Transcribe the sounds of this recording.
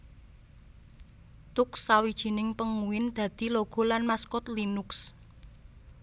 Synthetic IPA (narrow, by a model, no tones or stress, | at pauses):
t̪ʊksːawid̥ʒ̥i̤nɪŋpəŋuwɪnd̪̥ä̤d̪̥i̤loɡ̥ɔ̤lanmaskɔt̪linʊks